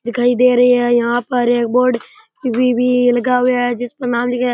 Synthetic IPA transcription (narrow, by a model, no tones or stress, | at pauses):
d̪ɪkʰaːid̪eːɾɐɦiɦɛ̃jɐɦãpəɾeːk̚boːɾɖ | kibʱibʱilɐɡaɦʊaɦɛd͡ʒɪspəɾnaːmlikɦɛ